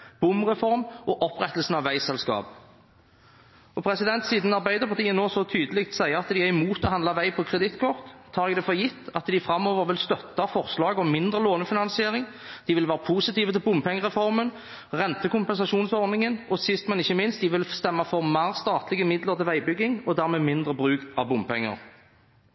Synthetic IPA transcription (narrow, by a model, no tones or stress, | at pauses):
b̥ʊmʁɛfɔʁmʔɔʔɔpʁɛt̪ːəlsn̩ɑʋːæɪsɛlskɑ̰ːp | ɔpʰʁɛsɪd̪ɛnt̪siːd̪n̩ɑʁbæɪd̪əʁpɑʁt̪iːənoːsɔt̪ʰyːd̪əlɪkt̪sæɪəʁɑt̪d̪ɪæʁɪmuːt̪ɔɦɑnd̪lɑʋæɪpʰɔkʰʁɛd̪ɪt̪ːkʰɔʁt̪ʰːɑːʁɛɡd̪ɛːfɔjɪt̪ːɑt̪d̪ɪfɾɑmːoːʋəʁʋɪlst̪œt̪ːɑfɔʁslɑːɡɔmɪnd̪ʁəloːnəfɪnɑnsɪeːʁɪŋ | d̪ɪʋɪlʋæːʁəpʰuːsɪt̪iːʋət̪ʰɪlbʊmpʰɛŋːəʁɛfɔʁmən | ʁɛnt̪əkʊmpɛnsɑʂuːnsɔʁd̪nɪŋənɔsɪst̪mɛnɪçːəmɪnst̪̚d̪ɪʋɪlst̪ɛmːɑfɔʁmæːʁst̪ɑːt̪lɪɡəmɪd̪ləʁt̪ʰɪlʋæɪbʏɡːɪŋɔd̪æːʁmeːmɪnd̪ʁəbʁʉːkɑʋbʊmpʰɛŋːə̰ʁ